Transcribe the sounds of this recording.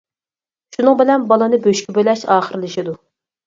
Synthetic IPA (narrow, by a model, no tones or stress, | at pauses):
ʃunɨŋbɪlɛnbɑlˠɨnɨbøʃkʲibølɛʃɑːχəɾɨlɪʃid̪u